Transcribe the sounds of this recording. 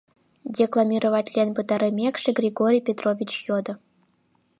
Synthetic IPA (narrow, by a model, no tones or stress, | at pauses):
dʲeklˠamʲirovatʲlʲenʲpɯt̪ɑɾɘmʲekʂɘ̆ɡrʲiɡoɾʲijpʲet̪rovʲit͡ɕjod̪ɤ̆